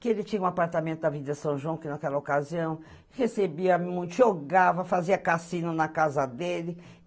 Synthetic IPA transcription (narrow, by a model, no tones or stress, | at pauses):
kɪelɪt͡ʃĩɲɐũapaɾt̪amẽnt̪ʊd̪avid̪ɐɪsɐ̃w̃ʒwɐ̃w̃kɪnakɛlɐokaziɐ̃w̃ | hesebiɐmũj̃t̪ʊʒoɡavɐfaziɐkasĩnʊnɐkazɐd̪elɪ